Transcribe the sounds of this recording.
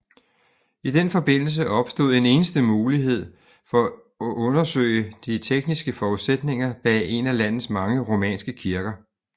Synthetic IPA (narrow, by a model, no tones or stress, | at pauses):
id̥enfɒ̽b̥e̝n̰l̩s̬əʔɒ̽b̥sd̥o̝ð̰ˠe̝ne̝ːnəsd̥əmuːliɦe̝ð̰ˠ | fɒ̽ | ʔɔ̽nɐsø̰ɪəd̥it͡sʰeɡ̥nisɡ̥əfɒːuðˠsed̥ne̝ŋɐb̥ɛe̝nælæn̰ð̩ˠsmɑ̈ŋəʁo̝mɛ̰ːnsɡ̥əkʰiɐɡ̥ɐ